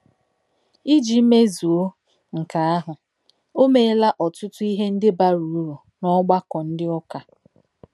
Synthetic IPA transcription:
i˦d͡ʒi˨˦me˦zu˨o˦ | ŋ̩˨ka˨a˦ɦʊ˨ | o˦me˦la˦ʔɔ˨tʊ˦tʊ˦i˦ɦe˦n̩˦dɪ˦ba˦ɾu˨˦ɾu˨ | nɔ˦ɡ͡ba˦kɔ˨n̩˦dɪ˦ɔ˦ka˨

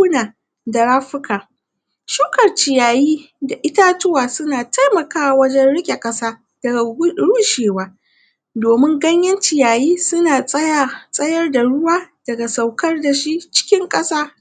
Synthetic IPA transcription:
ʊ˦naː˨ | da˨ɾaː˦ɸɪ˦kaː˨ | ʃuː˦kɐ˨rt͡ʃɪ˨jaː˨jiː˦da˨ʔɪ˦ta˦tʊ˦waː˨sʊ˦naː˨tʰa˦jmɐ˨kaː˦wa˨wɐ˦d͡ʒɛ˦nɽɪ˦kʲʼe˨kʼɐ˦saː˦ | dɐ˨˦ɽuː˦ʃeː˨waː˦ | doː˨mɪ˦ŋɡɐ˦ɲjɐ˦nt͡ʃɪ˨jaː˨jiː˦sʊ˦naː˨sʼɐ˦ja˦˨sʼɐ˦jɐ˦rda˨ɽʊ˦waː˦d̥ɐ˨ɡa˨sa˨wkɐ˦rda˨ʃi˦t͡ʃɪ̥˦kʲɪ˦ŋkʼɐ˦saː˦

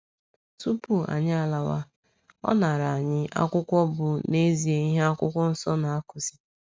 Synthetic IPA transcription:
tu˦pu˨a̰˨ɲɪ˦a˨la˨wa̰˦ | ɔ̰˦na˨ɾa˨a˨ɲɪ˦ʔa̰˦kʷʊ˦kʷɔ˦bʊ˨ne˦zi˨e˨i˦ɦe˦a˦kʷʊ˦kʷɔ˦n̩˦sɔ˦na˨a˦kʊ˨zi̥˦

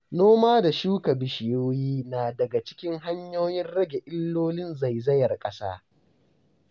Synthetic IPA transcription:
noː˦maː˦da˨ʃuː˦kɐ˨bɪ˨ʃɪ˨joː˦jiː˦naː˨dɐ˨ɡa˨t͡ʃɪ̥˦kʲɪ˦ŋɦa˦ɲjoː˦jɪ˦nɽɐ˦ɡʲe˨ʔɪ˦lːoː˦lɪ˦nza˨jzɐ˦jɐ˨rkʼɐ˦sa̰ː˦

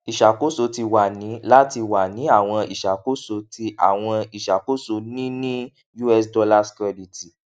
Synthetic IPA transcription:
i˨ʃa˨ko˦so˧ti˧wa˨nĩ˨˦la˦ti˧wa˨nĩ˨˦a˦˨w̃ɔ̃˧ḭ˨ʃa˨ko˦so˧˦ti˧ʔa̰˦˨w̃ɔ̃˧i˨ʃa˨ko˦so˧nĩ˦nĩ˦ | ju˦ɛ˦sdɔ˧la˦skɛ˧li˨ti˨

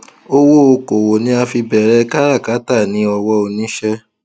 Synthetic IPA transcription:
o˧wo˦o˧ko˨wo˨nĩ˦a˧fi˧bɛ˨ɾɛ˧ka˦ɾa˦˨ka˨˦ta˦˨nĩ˨˦ɔ˧wɔ˧o˧nĩ˦ʃɛ˦˧

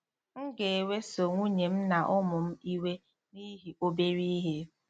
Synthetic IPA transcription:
ŋ̩˦ɡe˨e˨we˦so˨ŋʷu˦ɲe˨m̩˦na˨ʔʊ˦mʊ˨m̩˦i˦we˦ | ni˦ɦi˨o˦be˦ɾi˦i˦ɦe˦

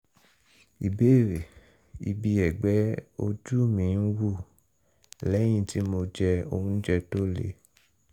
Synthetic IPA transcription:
i˨be˦˨ɾe˨ | i˧bi˧ɛ˨ɡ͡bɛ˨˦o˧d͡ʒu˦mĩ˨˦n̩˦wu˦˨ | lɛ˨˦j̃ĩ˧˨ti˨˦mo˧d͡ʒɛ˧o̰˧hũ˧˦d͡ʒɛ˧to˦lḛ˦

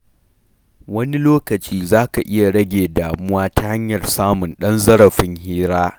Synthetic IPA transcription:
wɐ˦ni˦loː˦kɐ˨t͡ʃiː˦zaː˦ka˨ʔɪ˦ja˨ɽɐ˦ɡʲeː˨daː˨mʊ˦waː˦ta˦ha˦ɲjɐ˨rsaː˦mʊ˨nɗɐ˦nzɐ˦ɾɐ˨ɸɪ˦ŋhiː˦ɾaː˦

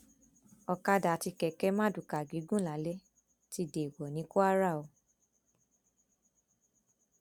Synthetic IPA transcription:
ɔ˧ka˧da˨˦ti˧kɛ˨kɛ˦mã˦du˨ka˨ɡi˨˦ɡũ˦la˨˦le˦ | ti˦de˨wɔ˨nĩ˨˦ko˦a˦ɾa˦˨o˨˧˨

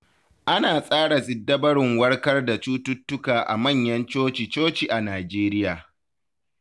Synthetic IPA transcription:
ʔa˦naː˨sʼaː˦ɽa˨zɪ˨dːɐ˦bɐ˦ɽɪ˨ŋwɐ˦rkɐ˦rda˨t͡ʃuː˦tʊ˦tːʊ˦kaː˨ʔa̰˨mɐ˦˨ɲjɐ˦nt͡ʃoː˦t͡ʃi˨t͡ʃoː˦t͡ʃiː˨ʔa˨naː˨d͡ʒeː˦ɾɪ˦jaː˨

